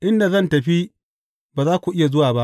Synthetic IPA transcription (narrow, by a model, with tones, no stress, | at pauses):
ʔɪ˦nda˨zɐ˦ntɐ˨ɸi˦ | baː˨zaː˦kʷu˨ʔɪ˦ja˨zʊ˦waː˨ba˦ʔ